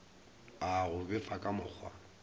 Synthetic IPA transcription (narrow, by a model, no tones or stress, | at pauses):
aɣʊbɪfakʼamʊk͡xʰwa̰